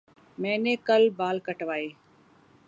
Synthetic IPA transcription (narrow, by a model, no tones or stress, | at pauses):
mẽːneːkəlbaːlkəʈʋaːeː